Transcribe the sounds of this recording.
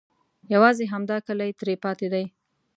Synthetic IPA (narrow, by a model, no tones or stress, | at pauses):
jawɑzeɦamd̪ɑkəlajt̪ɾepɑt̪ed̪aj